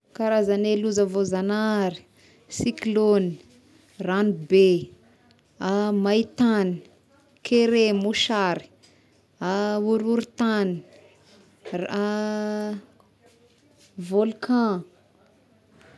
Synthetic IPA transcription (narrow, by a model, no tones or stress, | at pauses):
kaɾazaneluzəvozanaɾi̥ | sikloni̥ | ranibe | amait̪ani̥ | keɾemuʃaɾi̥ | auɾuɾit̪ani | volkã